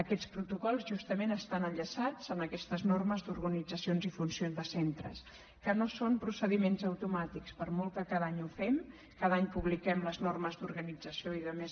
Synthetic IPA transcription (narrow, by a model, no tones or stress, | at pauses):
əkɛt͡spɾut̪ukɔlˠzʒust̪əmenəst̪anəɲʎəsad͡zənəkɛst̪əznorməzd̪uɾɣənid͡zəsionzifunsionzðəsent̪ɾə̰s | kənosompɾusəðimenzəwt̪umat̪ikspəɾmɔlˠk̪əkaðaɲufɛm | kaðaɲpuβlikɛmləznorməzd̪uɾɣənid͡zəsioiðəmez